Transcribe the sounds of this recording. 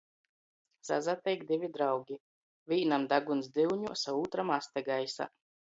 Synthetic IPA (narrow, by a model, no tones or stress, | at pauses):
sa̰zat̪ɛjɡd̪ivʲid̪ɾawɡʲi | vʲiːnamd̪aɡunzd̪iwɲusauːt̪ɾamast̪ɛɡajsa̰